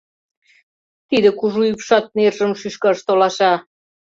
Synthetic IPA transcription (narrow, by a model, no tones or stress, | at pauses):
t̪id̪ə̆kuʒuypʃɑt̪̚nerʒə̆mʃyʃkɑʃt̪olɑʃɑ